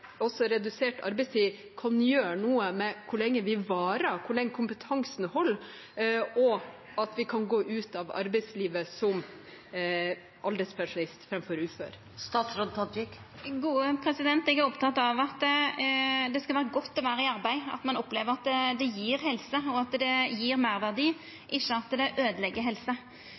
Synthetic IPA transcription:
ɔsːɔɾɛd̪ʉseːʈʰɑ̰ɾbɛɪst̪ʰiː | kʰɑnjøːɳuːəmɛkʰʊɭɛŋːəʋɪʋɑːɾəkʰʊɭɛŋːəkʰʊmpət̪ʰɑŋsnhɔlː | ɔ | ɑt̪ʋɪkʰɑnɡoːʔʉːt̪ɑʋɑ̰ɾbɛɪsliːʋəsɔm | ʔɑld̪ɛɪspʰæʂʊnɪst̪fɾɛmfɔɾʉːfø̰ːɾ | st̪ɑːt̪sɾod̪̚t̪ʰɑd̪bɪk | ɡuːəpʰɾɛsɪd̪ɛnt̪ɪɡæɾɔpt̪ʰɑt̪ːɑʋɑt̪ː | d̪ɛskɑlʋæːɾəɡɔt̪ːɔʋæːɾəɪɑɾbæɪɑ̰t̪mɑnɔpleːʋəɾɑt̪ːd̪ɛjiːɾhɛlsəɔɑt̪d̪ɛjiːɾmæɾʋæʁd̪iː | ʔɪʃːəɑt̪d̪ɛʔøːd̪əlɛɡːəɦɛlsə

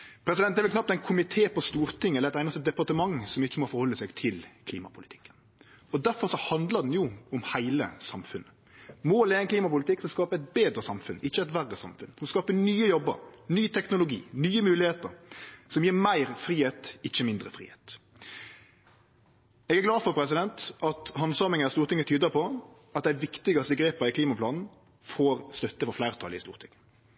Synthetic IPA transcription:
pʰɾɛs̬ɪd̪ɛnɛʋɪlkʰnɑp̚t̪æɪnkʰʊmɪt̪ʰeːpɔst̪uːɾt̪ʰɪŋːɛləɛt̪æɪnəsɛd̪ɛpɑʁt̪əmɑŋsɔmɪçːəmɔfɔɾhɔlːəsɛɡt̪ʰɪlkʰlḭːmɑ̰pʰʊlɪt̪ʰɪ̥kːən | ɔd̪æɾfɔʁʂɔhɑnd̪ləd̪ɛn̩jʊʊmhæɪlə̰sɑmfʉnːə | moːleːɛŋkliːmɑpʊlɪt̪ɪkːsɔmskɑːpəɛt̪̚beːd̪ɾəsɑmfʉnɪçːəɛt̪ʋærːəsɑ̰mfʉnsɔmskɑːpənyːəjɔbə̰ɾnyːt̪ʰɛknʊlʊɡḭːnyːəmʉːlɪheːt̪əɾsɔmjiːɾmæɪɾfɾiːheːt̪ɪçːəmɪnd̪ʁəfʁḭːheːt̪ | ɛɡæɾɡlɑːd̪fɔɾpʰɾɛs̬ɪd̪ɛnt̪ʔɑt̪hɑnsɑːmɪŋənɑst̪uːɾt̪ɪŋːət̪ʰyːd̪əpʰɔ | ɑt̪̚d̪æɪʋɪkt̪ɪɡɑst̪əɡɾeːpəɾɪkʰliːmɑpʰlɑːnn̩ | foːɾst̪œt̪ːəfɔɾflæɪʁt̪ʰɑ̰ːlɪ̰st̪ṵːɾt̪ʰɪŋːə

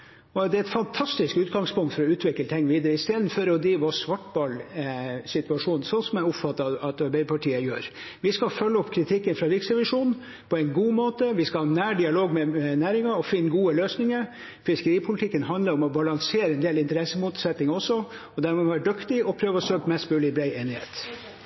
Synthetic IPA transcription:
ɔd̪ɛæɛt̪fɑnt̪ʰɑst̪ɪskʉːt̪ɡɑŋspʰʊŋt̪fɔɾɔʉːt̪ʰʋɪklət̪ʰɪŋːʋiːd̪əɾəɪst̪eːd̪n̩fɔɾɔd̪iːʋɑsʋɑʈbɑːlsɪt̪ʉɑʂuːnn̩sɔnsɔmæɔpfɑt̪ːɑɑt̪ɑɾbæɪəpɑʈiːəjø̰ːɾ | ʋɪskɑfœlːəɔpkʰɾɪt̪ʰɪkːənfɾɑʋɪksɛʋɪʂuːn | pʰɔɛɪnɡuːmoːt̪əʋɪskɑɑnæːɖɪɑloːɡmɛɛnæːɾɪŋɑɔfɪnːɡuːəløːsnɪŋəɾ | fɪskəɾiːpʰʊlt̪ɪkːənɦɑnd̪ləɾɔmɔbɑlɑŋseːɾəɛnd̪eːlɪnt̪əɾɛsːəmuːt̪sɛt̪nɪŋɔsːɔ | ɔd̪æɾmɛʋʋæːɖʉkt̪ɪɔpʰɾøːʋəɔsøːkmɛst̪bʉːlɪblæɪeːnɪhḛːt̪

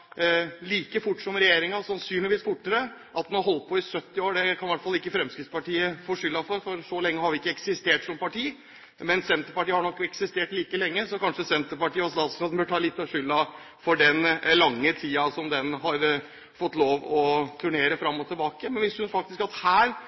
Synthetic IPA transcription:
liːkəfʊʈːsɔmɾɛjeːɾɪŋɑsɑnsyːnlɪʋiːsfʊʈːəɾəʔɑt̪hʉnɑɾɦɔlt̪̚pʰɔɪsœt̪ːɪoːɖɛkʰɑnʋæʈfɑlːɪkːəfɾɛmskɾɪt̪spɑʈiːəfoːʂʏlːɑfɔɾfɔɾsɔlɛŋːəhɑɾʋɪɪkːəɛksɪst̪eːʈsɔmpɑʈiː | mɛnsɛnt̪əɾpɑʈiːəhɑɳɔkːɛksɪst̪eːʈliːkəlɛŋːəsɔkʰɑnʂəsɛnt̪əɾpɑʈiːɔst̪ɑːt̪sɑd̪n̩bœʈʰɑːlɪt̪ːɑʂʏlːɑ | fɔɖɛnlɑŋːət̪ʰiːɑsɔmd̪ɛnɦɑɾ | fɔt̪ːloːʋɔt̪ʰʉɳeːɾəfɾɑmːɔt̪ʰɪlbɑːkəmɛnʋɪshʉnfɑk̚t̪ɪskɑt̪hæːɾ

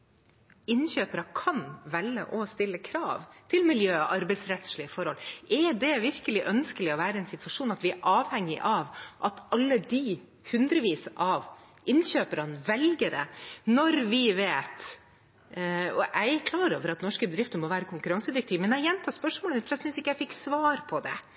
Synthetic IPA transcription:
ɪnçøːpəɾɑkʰɑnʋɛlːə̰ʔɔst̪ɪlːəkʰɾɑːʋt̪ʰɪlmɪljøːʔɑɾbɛɪsɾɛt̪sɭɪəfɔɾhɔlɛd̪ɛʋɪɾkəlɪʔœnskəlɪɔʋæːɾəɛnsɪt̪ʋɑʂuːnɑt̪ʋɪæʔɑːʋhɛŋːɪʔɑʋʔɑt̪ɑlːəd̪ɪ | hʉnd̪ɾəʋiːsəʔɑʋ | ʔɪnɕøːpəɾɑnʋɛlɡəd̪ɛ̰nɔɾʋɪʋeːt̪ | ɔʔæɪkʰlɑːɾo̰ːʋəɾɑt̪nɔʂkəbəd̪ɾɪft̪əmɔʋæːɾəkʰʊŋkʉɾɑŋsəd̪ɪɾɛk̚t̪ʰiːʋmɛnæɪjɛnt̪ʰɑːspœʂmoːləmɪt̪flɛæsʏnsɪkːəjæɪfɪkːsʋɑːɾpʰɔd̪ɛ̰

